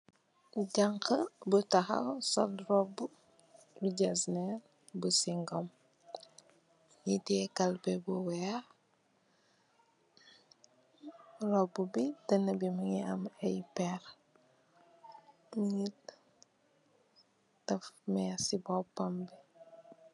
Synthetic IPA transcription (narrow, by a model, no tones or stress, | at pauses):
ɟɐŋkəbutɐxɐ̰wsɔlrɔbːu | luɟɐsnɛ | busiŋɡɔm | jitɛːkɐlpɛbuwɛː | rɔbːubitɐnɐbimiŋiɐmɛjpɛɾ | ŋit | tɐfmɛsibɔpɐmbi